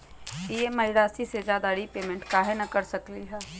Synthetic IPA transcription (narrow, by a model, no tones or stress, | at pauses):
iemɐɪɾaːsised͡ʒaːd̪aːɽipeːmẽɳʈkaːɦenɐkɐɾsɐkliɦɛː